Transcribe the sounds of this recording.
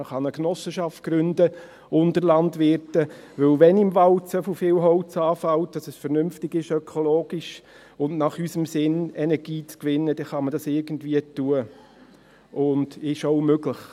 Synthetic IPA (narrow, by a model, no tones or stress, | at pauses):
əχɑnəknɔsəʃɑft̚ɡ̥ɾʏndə | ʊndəɾlɑndʋɪɾtəʋɵlʋɛnɪmvɑlt͡səfofɪːwɦɔʊt͡sɑːfɑld̥ɑsəsfəɾnʏmftɪɡɪʃœkʰɔloːɡ̥iʃ | ʊnnɑχysəmsɪnɛnɛɾɡ̥iːt͡skʋɪnːəd̥ɛχɑmədɑsɪɾɡ̥ən̩dviətuə | ʔʊndɪʃoʊmøɡləχ